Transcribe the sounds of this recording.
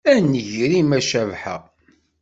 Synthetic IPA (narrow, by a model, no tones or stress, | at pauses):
ænəʝɾimæʃævħæ̰